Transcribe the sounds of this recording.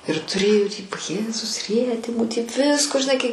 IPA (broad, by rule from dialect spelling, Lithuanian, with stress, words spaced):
ɪr tʊˈrʲeːjʊ tʲiː ʋɐ ˈjeːzʊs ˈrʲiɛtʲɪmʊ tʲiɛk ˈʋʲɪskoː ʒʲɪˈnɐɪ kɐɪ